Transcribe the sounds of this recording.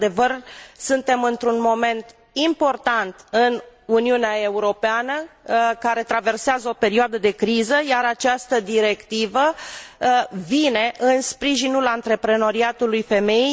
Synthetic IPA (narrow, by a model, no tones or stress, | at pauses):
d̪e̞vərsɨnt̪e̞mɨnt̪ɾunmo̞me̞nt̪ | impo̞rt̪ant̪ɨnuniuneae̞uɾo̞peanəkaɾe̞t̪ɾave̞rseazəo̞pe̞ɾioad̪əd̪e̞kɾizəjaɾat͡ʃast̪əd̪iɾe̞kt̪ivə | vine̞ʔɨnspɾiʒinulant̪ɾe̞pɾe̞no̞ɾiat̪ulujfe̞me̞